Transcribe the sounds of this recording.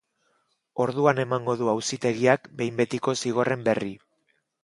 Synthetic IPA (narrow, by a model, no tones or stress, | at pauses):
o̞ɾð̞uane̞maŋɡo̞ðuawsit̪e̞ɣ̞iakbe̞jmbe̞t̪iko̞siɣ̞o̞re̞mbe̞ri